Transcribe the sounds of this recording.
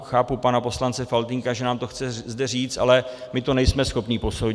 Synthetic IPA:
xaːpupanapo̞slant͡sɛfalt̪ɪŋkaʒɛnaːmt̪o̞xt͡sɛzdɛriːt͡st̪ʔa̰lɛmɪt̪o̞nɛjsmɛsxo̞pɲipo̞sow

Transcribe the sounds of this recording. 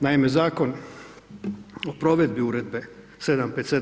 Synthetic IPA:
naime̞zaːko̞n | opɾo̞ʋe̞d̪biuɾed̪be̞ | sed̪ampet̪se

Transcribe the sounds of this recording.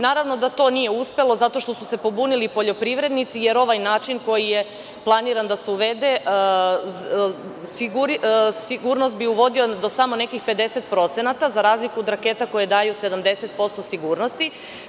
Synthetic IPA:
naːɾaʋno̞d̪at̪o̞ːnijeuspe̞lo̞zat̪o̞ʃt̪o̞suse̞po̞bunilipo̞ʎo̞pɾiʋɾe̞d̪nit̪sije̞ɾo̞ʋajnaːt͡ʃinko̞jije | plˠaniɾand̪aseuʋe̞d̪e | siɡuɾsiɡuɾnost̪̚biuʋo̞d̪iod̪osamo̞ne̞kixpe̞d̪e̞se̞t̪pɾo̞t̪se̞nat̪azaɾaːzlikuod̪ɾake̞t̪ako̞jed̪aːjuse̞d̪amd̪e̞se̞t̪̚po̞st̪o̞siɡuːɾno̞st̪i

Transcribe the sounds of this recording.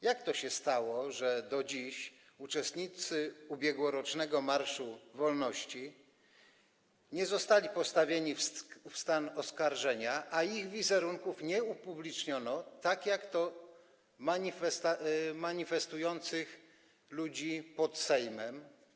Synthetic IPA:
jakt̪ɔɕɛst̪awɔʐɛd̪ɔd͡ʑiɕ | ut͡ʂɛst̪ɲit̪sɘubʲjɛɡwɔɾɔt͡ʂnɛɡɔmaɾʂuvɔlnɔɕt͡ɕi | ɲɛzɔst̪alʲipɔst̪avʲjeɲiffst̪anɔskaɾʐɛɲaʔaiɣvʲizɛɾuŋkufɲɛupublʲit͡ʂɲɔnɔt̪akjakt̪ɔ | maɲifɛst̪amaɲifɛst̪ujɔnt̪sɘx | lud͡ʑipɔt̪sɛjmɛm

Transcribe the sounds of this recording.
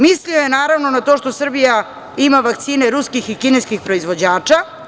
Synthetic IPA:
mislio̞jenaːɾaʋno̞nat̪o̞ʃt̪o̞sr̩bija | imaʋakt̪siːne̞ɾuskixikineskixpɾo̞izʋo̞d͡ʑaːt͡ʃa

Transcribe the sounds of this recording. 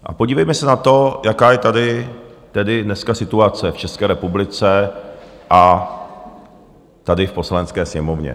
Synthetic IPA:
ʔa̰poɟiːvɛjmɛsɛnat̪o̞jakaːjɛt̪adɪ | t̪ɛdɪdnɛskasɪt̪uat͡sɛft͡ʃɛskɛːɾɛpublɪt͡sɛ | ʔa | t̪adɪfpo̞slanɛt͡skɛːsɲɛmovɲɛ̰

